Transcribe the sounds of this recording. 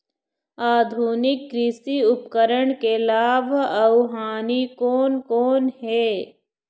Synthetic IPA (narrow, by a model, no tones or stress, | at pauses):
aːd̪ʱuːnɪkːɾɪsiʊpkəɾəɽ̃kelaːbʱɐʊɦaːnikoːnkoːnɦɛː